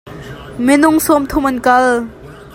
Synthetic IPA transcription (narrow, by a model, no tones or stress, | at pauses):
mɪnʊŋsomt̪ʰʊmɐnkɐl